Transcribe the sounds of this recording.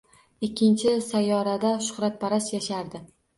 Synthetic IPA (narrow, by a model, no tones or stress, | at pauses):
ɪkʲʰːɪnt͡ʃʰɪsajːɒɾad̪aʃʊ̥χɾat̪̚pʰaɾasjaʃaɾd̪ɪ